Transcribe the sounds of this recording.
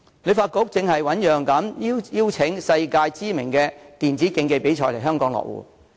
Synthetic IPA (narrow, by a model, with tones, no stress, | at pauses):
ne˨˧jfaː˧t̚kʊ˧˥k̚t͡sɪ˧ŋhɐ˨jwɐ˨˥njœː˨ŋkɐ˨˥mjiː˥jiː˥wt͡sʰɪ˨˥ŋsɐ˧jkaː˧jt͡siː˥mɪ˨˩ŋkɛː˧t̪iː˨nt͡siː˨˥kɪ˧ŋke˧jpe˨˥jt͡ʃʰɔː˧˩lɐ˨˩ɦœː˥ŋkɔː˨˥ŋlɔ̰ː˨k̚wṵː˨˩